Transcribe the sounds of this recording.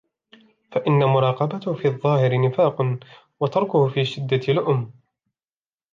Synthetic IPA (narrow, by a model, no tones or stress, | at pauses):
faʔɪnːamʊɾˤɑːqɑbat̪ʊhfiːɑðˤːɑːhɪɾɪnɪfaːq | wɑt̪ɑɾˤkʊhʊfiːʃɪd̪ːat̪lʊʔʊm